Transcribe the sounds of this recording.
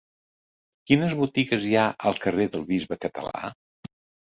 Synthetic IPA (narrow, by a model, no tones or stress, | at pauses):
kinəzβut̪iɣəzjaʔəlˠkəreðəlˠβizβəkət̪ə̰la̰